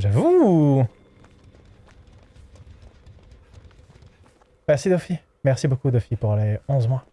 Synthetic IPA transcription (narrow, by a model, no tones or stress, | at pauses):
ʒavu | mɛʁsid̪ɔfi | mɛʁsibokud̪ɔfipuʁleɔ̃zmwa